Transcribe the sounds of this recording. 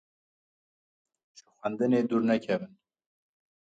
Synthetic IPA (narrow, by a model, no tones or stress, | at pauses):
ʃɨ̥xænd̪ɨneːd̪uːɾnɛkʰɛvɨn